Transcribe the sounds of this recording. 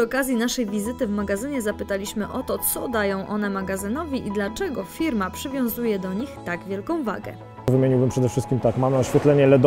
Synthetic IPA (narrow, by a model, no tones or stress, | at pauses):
ʂɔkazʲjinaʂɛjvʲizɘt̪ɘvmaɡazɘɲɛzapɘt̪alʲiɕmɘʔɔt̪ɔt̪sɔd̪ajɔ̃w̃ʔɔnɛmaɡazɘnɔvʲiʔid̪lat͡ʂɛɡɔfʲiɾmapʂɘvʲjɔ̃w̃zujɛd̪ɔɲixt̪aɡvʲjɛlkɔ̃w̃va̰ɡɛ̰ | vɘmʲjeɲiwbɘmpʂɛd̪ɛfʂɘst̪kʲimt̪akmamnaɕfʲjɛt̪lɛɲɛlɛd̪